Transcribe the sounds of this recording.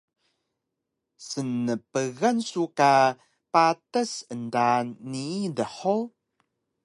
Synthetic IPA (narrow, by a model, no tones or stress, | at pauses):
sənːəpəɣansuka | patəsəndanːiːdəħo